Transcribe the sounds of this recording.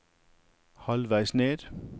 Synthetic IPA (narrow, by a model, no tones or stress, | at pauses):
hɒlʋæɪsneːd̥